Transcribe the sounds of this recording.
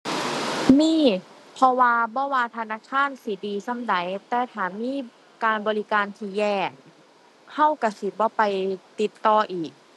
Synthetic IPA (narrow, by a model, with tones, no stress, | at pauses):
miː˧˥˩pʰɔ˧waː˧bɔː˧˦waː˧t̪ʰaː˧naː˧˥˩kʰaː˧˥˨n̚si˨˦diː˧sa˧˥˩mda˨˦jt̪ɛː˧˩t̪ʰaː˨˩˦nmiː˧˥˨ | kaː˧nbɔː˧li˦˧˥kaː˧nt̪ʰiː˧˦jɛː˧˩ | ha˥˩wka˧˩si˨˩˦bɔː˧˦pa˧jt̪i˨˩t̪ːɔː˧ʔiː˨˩k̚